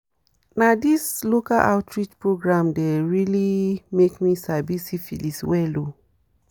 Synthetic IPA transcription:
nadisloka̰lʔa̰ʊtʰɹit͡ʃpɹoɡɹãmdɛɹilimekmisabisifḭliswɛlo

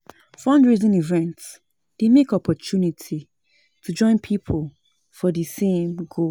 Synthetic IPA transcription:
fɔ̃ndɹizĩnivɛ̃nts | d̥emekɔpʰɔt͡ʃunitʰi | tʰud͡ʒɔ̃ɪ̃npʰipʰol | fɔðisẽmɡo

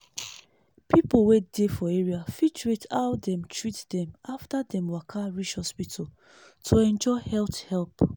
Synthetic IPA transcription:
pipowedefɔeɹiafit͡ʃɹetʰaʊdɛ̃mtʰɹitdɛ̃maftadɛ̃mwakʰaɹiʃhɔspitʰo | tʰoɛ̃nd͡ʒɔɪhɛlthɛlp

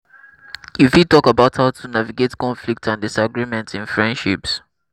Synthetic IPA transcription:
ifitɔkabaʊthaʊtʰunaviɡetkɔ̃nflik̚tʰãndɪsaɡɹimɛ̃ntɪ̃nfɹɛ̃ndʃips

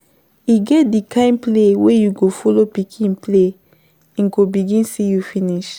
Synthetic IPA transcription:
iɡɛt̚dikʰãɪ̃mplewejuɡofɔlopikʰĩnple | ɛ̃nɡobiɡĩnsijufĩniʃ

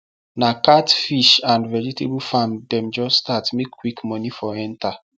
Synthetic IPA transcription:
nakatfiʃãndvɛd͡ʒitʰebufãmdɛ̃md͡ʒɔstatmekːwikmɔnifɔɛ̃nta

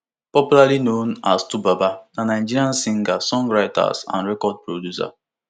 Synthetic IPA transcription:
pɔpjulalinonastubabaanaɪd͡ʒiɾiãnsĩŋɡasɔ̃ŋɡɹaɪta̰sã̰nɹɛkɔd̚pɹodjusa̰

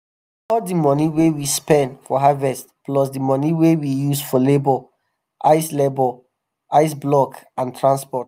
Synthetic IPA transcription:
ɔdimɔniwewispɛ̃ndfɔɦavɛstplɔsdimɔniwewijusfɔlebɔ | ʔaɪslebɔ | ʔaɪsblɔkãntʰɹãnspɔt

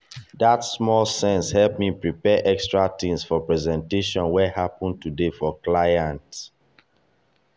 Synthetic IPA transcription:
datsmɔlˠsɛ̃nshɛlp̚mipɹipɛʔɛkstɹatĩmsfɔpɹɛzɛ̃nteʃɔ̃nwɛhapɔ̃n̚tudefɔklajãnt

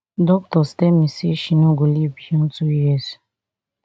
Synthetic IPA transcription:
dɔk̚tɔstɛmĩseʃinõɡolibiɔ̃ntujɛs

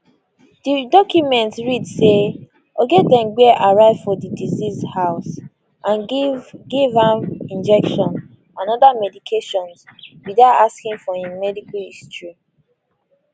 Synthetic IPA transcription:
d̥idɔkjumɛ̃ntɹidse | ɔɡɛt̚dɛ̃mɡɛʔaɹaɪvfɔdidizizhaʊs | ʔãnɡivãmĩnd͡ʒɛkʃɔ̃n | ãnɔdamɛdikʰeʃɔ̃nswiðaʊtaskĩŋfɔĩmmɛdikaistɹi

